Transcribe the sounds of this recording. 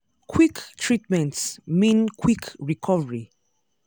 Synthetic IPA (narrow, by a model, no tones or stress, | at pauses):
kʰwiktʰɹitmɛ̃ntsmĩnkʰwikɹikʰɔvəɹi